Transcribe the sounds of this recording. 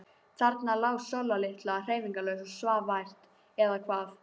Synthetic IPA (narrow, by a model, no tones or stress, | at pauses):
t̪ʰaɾt̪nalaːwsalalɪht̪laar̥eːjviŋkalœɥsɔsvaːvajr̥t̪ | ɛðakʰvaːθ